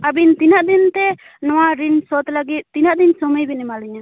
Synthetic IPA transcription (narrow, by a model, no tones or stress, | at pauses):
abint̪inaʔd̪int̪ɛ | nɔwaɾinsɔt̪ləɡit̪̚ˀːinaʔd̪insɔməjbɛnɛmaliɲa